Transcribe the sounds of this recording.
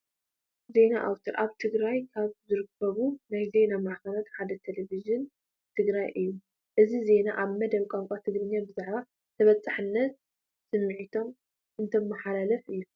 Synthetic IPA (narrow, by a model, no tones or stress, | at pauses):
ze̞naʔawt̪ʰɐɾʔaβt̪ʰɨɡɾajkʰaβzɨɾɨkʰːɐβunajze̞namaʕkɐlat̪ħad̪ɐt̪ʰelevizɨn | t̪ʰɨɡɾajʔɨjːu | ʔɨzize̞naʔaβmɐd̪ɐβkʼamŋkʼat̪ʰɨɡɾɨɲːabɨzaʕβa | t̪ʰɐβɐt͡sʼaħɨnːɐt̪̚ | sɨmːɨʕit̪ʰo̞m | ʔɨnt̪ʰɐmːɐħalalɐfʔɨjːu